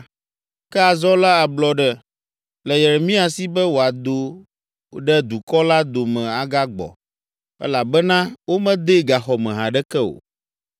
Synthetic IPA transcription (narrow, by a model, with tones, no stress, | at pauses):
kɛ˦a˨zɔ˦la˦a˨blɔ˦ɖɛ˦ | lɛ˨jɛ˨ɾɛ˨mĩ˦a˨si˦bɛ˦wo˨a˨d̪o˨ | ɖɛ˦d̪u˨kɔ˦la˦d̪o˨mɛ̃˨a˨ɡa˦ɡ͡bɔ̰˨ | ɛ̰˦la˨bɛ˦nã˦wo˦mɛ̃˦d̪e˦ɡa˨xɔ˨mɛ̃˨ɦã˨ɖɛ˦kɛ˦o̰˨